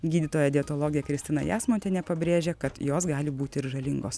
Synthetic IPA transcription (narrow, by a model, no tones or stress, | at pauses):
ɡʲiːd̪ʲɪt̪oːjɛd̪ʲɪɛt̪oːlˠoːɡʲɪjɛkɾʲɪsʲt̪ʲɪnɐ̰jæːsmoːnʲt̪ʲeːnʲɛpɐbʲɾʲeːʒʲeːkɐt̪joːsɡɑːlʲɪbuːt̪ʲɪɪɾʒɐlʲɪŋɡoːs